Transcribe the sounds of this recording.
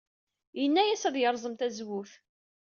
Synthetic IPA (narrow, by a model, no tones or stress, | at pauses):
jənːæjæsæðjəɾˤzˤəmt̪æzwuθ